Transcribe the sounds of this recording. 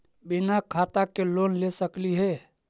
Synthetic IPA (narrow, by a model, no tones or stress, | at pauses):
binakʰat̪akelonlesəkliɦe